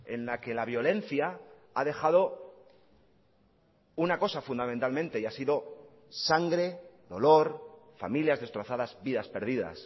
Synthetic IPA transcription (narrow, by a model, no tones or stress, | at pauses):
e̞nlake̞laβ̞jo̞le̞nθja | a̰ðe̞xað̞o̞ | unako̞safund̪amẽnt̪almẽnt̪e̞iasiðo̞ | saŋɡɾe̞ðo̞lo̞ɾfa̰miljazðest̪ɾo̞θaðazbiðaspe̞ɾð̞iða̰s